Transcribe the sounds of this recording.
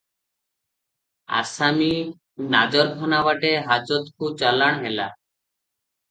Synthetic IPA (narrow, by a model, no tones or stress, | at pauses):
a̰sami | nad͡ʒɔɾkʰɔnabaʈeɦad͡ʒɔt̪kut͡ʃalaɽ̃ɦela̰